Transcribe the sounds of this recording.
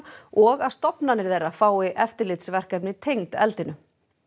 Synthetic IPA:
ɔɣaðst̪ɔpnanɪɾθejrːafaːwɪʔɛft̪ɪɾlɪt̪svɛr̥kɛpnɪt̪ʰejŋt̪ɛ̰lt̪ɪnʏ

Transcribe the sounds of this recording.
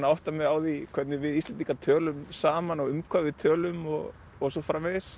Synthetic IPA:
naawht̪amɛðaːwðikʰvɛɾt̪nɪvɪðist̪lɛnt̪ikat̪ʰœːlʏmsaːmanɔɣʏmkʰvavɪt̪ʰœːlʏmɔɣ | ɔɣs̬ɔfɾamɛðɪs

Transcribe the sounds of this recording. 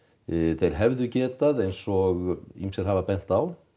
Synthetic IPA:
θejɾ̥ɦɛvðʏcɛːt̪aðejnsɔɣḭmsɛɾ̥ɦavapɛn̥t̪aw

